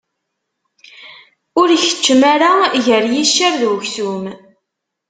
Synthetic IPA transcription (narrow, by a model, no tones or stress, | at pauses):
ʊɾçə̥t͡ʃːmaɾaʝəɾjiʃːəɾðçsum